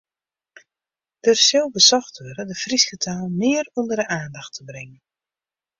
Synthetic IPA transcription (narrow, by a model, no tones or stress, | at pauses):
d̥ərsɪlˠbəsɔxtʋøɾədəfriskətʰaːlˠmɪərundərdəʔaːndaxtʰəbrɪŋən